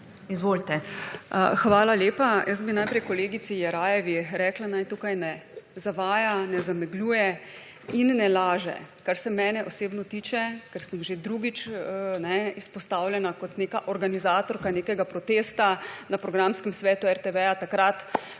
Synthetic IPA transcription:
izʋolt̪ɛ | xʋaːlaljeːpajəsbinajpɾɛjkɔleːɡisijɛɾaːjɛʋiɾɛːklanajt̪uːkajnɛzaʋaːjanɛzamɛɡluːjɛ | inːɛlaːʒɛ̰kaɾsɛmɛːnɛʔoseːbnɔt̪iːt͡ʃɛkɛɾsəmʒed̪ɾuɡit͡ʃnɛispɔst̪aːwlʲjɛnakɔt̪neːkaʔɔɾɡanizaːt̪ɔɾkaneːkɛɡapɾɔt̪eːst̪anapɾɔɡɾaːmskɛmsʋɛːt̪uɛɾt̪ɛʋɛjat̪akɾat̪

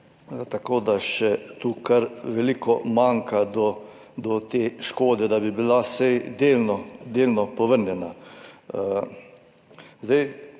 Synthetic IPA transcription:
t̪akoːd̪aʃɛt̪uːkaɾʋɛliːkɔmaŋkʰad̪ɔ | d̪ɔt̪eːʃkoːd̪ɛd̪abibilasɛjd̪eːlnɔd̪eːlnɔpɔʋəɾnjɛna | zd̪ɛj

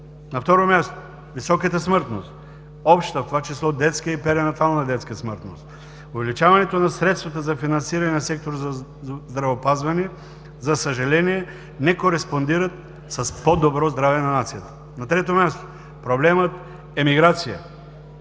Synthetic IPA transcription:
nɐft̪ɔɾomʲjast̪o̥ | visɔkət̪əsmɤɾt̪nost̪ | ɔpʃt̪t̪əft̪ovat͡ʃislˠɔd̪ɛt̪skəipɛɾɛnɐt̪alˠnɐd̪ɛt̪skəsmɤɾt̪nost̪ | ovɛlit͡ʃavɐnɛt̪onɐsɾɛt̪st̪vɐt̪əzɐfinɐnsiɾɐnɛnɐsɛk̚t̪oɾz | zd̪ɾɐvopazvɐnɛ | zɐsɐʒɐlɛniɛ | nɛkoɾɛspond̪iɾɐt̪ | sɐspod̪obɾɔzd̪ɾavɛnɐnat̪sijət̪ə̥ | nɐt̪ɾɛt̪omʲjast̪o̥ | pɾoblɛmət̪ | ɛmiɡɾat̪sijə̰

